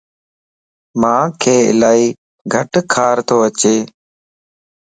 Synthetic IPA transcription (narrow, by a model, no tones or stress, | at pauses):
mãːkʰeːɪ̰laːiː | ɡʱəʈkʰaːɾt̪ʰoːət͡ʃeː